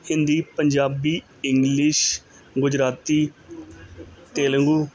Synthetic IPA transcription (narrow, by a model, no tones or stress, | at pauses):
hɪ̃nd̪iːpəɲd͡ʒaːbiː | ɪŋɡlɪʃ | ɡʊd͡ʒɾaːt̪iː | t̪eːləŋɡuː